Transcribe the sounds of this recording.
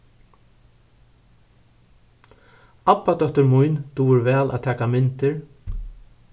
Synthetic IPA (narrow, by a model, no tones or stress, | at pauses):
apːat̪œht̪ʏɾmujnt̪uːɪɾvɛːlʔa̰t̪ʰɛːkamɪnt̪ɪɹ